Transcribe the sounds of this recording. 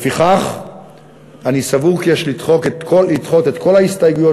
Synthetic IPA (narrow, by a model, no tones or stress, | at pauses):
fiχaχ | anisavuʁkijeʃlitχo̞ket̪kʰolitχo̞t̪e̞t̪ko̞laist̪ajɡujo